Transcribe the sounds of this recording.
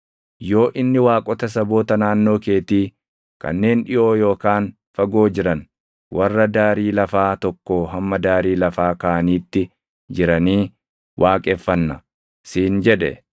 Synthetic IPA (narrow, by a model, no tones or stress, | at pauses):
jo̞ːʔɪnːɪwaːkʼɔt̪ɐs̬ɐbo̞ːt̪ɐnaːnːo̞ːke̞ːt̪iː | kɐ̰nːe̞ːnᶑɪʔo̞ːjo̞ːkaːn | fɐɡo̞ːd͡ʒɪɾɐn | wɐrːɐd̪aːɾiːlɐfaːt̪ɔkːoːɦɐmːɐd̪aːɾiːlɐfaːkaʔɐniːt̪ːɪ | d͡ʒɪɾɐniː | wʔaːkʼɛfːɐnːɐ | siːnd͡ʒɛᶑɛ̰